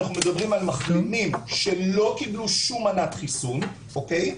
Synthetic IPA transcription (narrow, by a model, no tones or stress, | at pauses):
aχnume̞d̪abʁimalmaχɡemimʃe̞lo̞kibluʃumanatχisun | ʔoke̞j